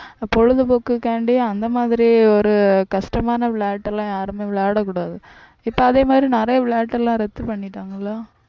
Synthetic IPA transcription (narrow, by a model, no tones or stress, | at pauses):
pɔɻɯðɯpokːɯkːeːɳɖĩɐnd̪ɐmaːðɪɾiɔɾɯkɐʂʈɐmaːnɐʋɪɭaːʈːɛlãːjaːɾɯmeːʋɪɭaːɽɐkːʊɽaːðɯ | ɪpːoɐðeːmaːd̪ɪɾinɪɾɐjɐʋɭaːʈːɛlãːɾɛt̪ːɯpɐɳːɪʈːaːŋɡɐlaː